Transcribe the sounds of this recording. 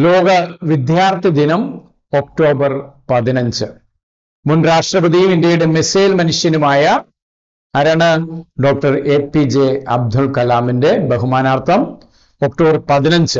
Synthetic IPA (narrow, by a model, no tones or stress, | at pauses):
loːɡɐʋid̪jaːrt̪ʰjid̪inɐm | okʈo̞ːbɐrpɐðinɐɲd͡ʑɨ | munraːʂʈrɐbɐðijuminde̞jiɽemeseːlmɐnuʂjɐnumaːjɐ | ɐɾɐɳɐɖo̞ːk̚ʈɐrepːid͡ʑeɐb̚d̪ʱuɭkɐlaːminde̞bɐɦumaːnaːrt̪ʰɐm | ok̚ʈoːbɐrpɐðinɐɲd͡ʑɨ